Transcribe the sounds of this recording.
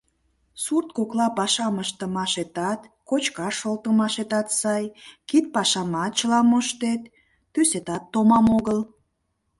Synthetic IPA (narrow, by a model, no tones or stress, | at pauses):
surt̪̚koklɑpɑʃɑməʃt̪ə̆mɑʃet̪ɑt̪kot͡ɕkɑʃolt̪əmɑʃet̪ɑt̪sɑjkit̪̚pɑʃɑmɑt̪̚t͡ɕəlɑmoʃt̪et̪ː | yset̪ɑt̪ːomɑmoɣəl